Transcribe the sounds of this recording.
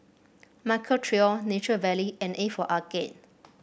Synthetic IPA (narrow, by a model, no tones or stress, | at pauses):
maɪkʰətʰɹiɔnet͡ʃəvɛliɛ̃nefɔʔaɡḛ̃n